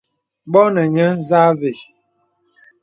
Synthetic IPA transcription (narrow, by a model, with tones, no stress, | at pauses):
bɔ˦nə˨ɲə˦za˦ve˨